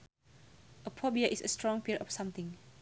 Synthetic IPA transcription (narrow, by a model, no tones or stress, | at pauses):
ʔəpʰɔbiəʔisə̰stɹɔ̃ŋpiɹɔfsãmt̪ɪ̃ŋ